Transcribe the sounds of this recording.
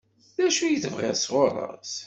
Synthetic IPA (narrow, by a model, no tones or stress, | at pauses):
ðæʃujəθəvʁɪ̰ʁsʁoɾˤə̰s